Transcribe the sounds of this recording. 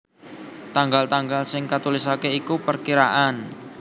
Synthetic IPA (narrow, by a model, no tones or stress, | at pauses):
t̪aŋɡalt̪aŋɡalsɪŋkat̪ulisakeikupərkiɾaʔan